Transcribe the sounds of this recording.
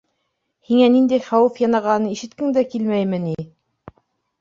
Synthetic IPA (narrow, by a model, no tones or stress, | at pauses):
hiŋænind̪æjχɑwɘfjɑnɑʁɑnɤiʃɘ̆t̪̚kɘŋd̪ækilmæjmɘ̆ni